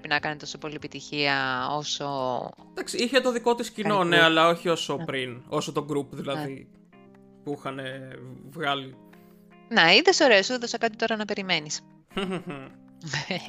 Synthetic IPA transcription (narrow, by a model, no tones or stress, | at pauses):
epinɐkɐnet̪o̞so̞po̞liepit̪içiɐo̞so̞ | d̪̥ɐksiiçet̪o̞ðiko̞t̪iscino̞neɐlɐo̞çio̞so̞pɾino̞sot̪oɡɾupðilɐði | puixɐne̞vɣɐli | neiðeso̞ɾe̞osuðeðosɐkɐt̪it̪o̞ɾɐnɐpe̞ɾime̞nis